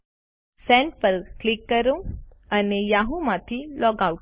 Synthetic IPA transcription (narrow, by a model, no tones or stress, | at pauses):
sɛ̃ɳʈ̚pəɾklikːəɾũanijaɦũmat̪ʰilɔɡau